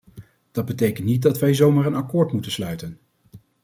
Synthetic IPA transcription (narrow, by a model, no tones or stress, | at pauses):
d̥ɑd̚bətejkəntnit̚dɑtʋɛjzowmaːɹənɑkʊːɹtmutənslœɥtən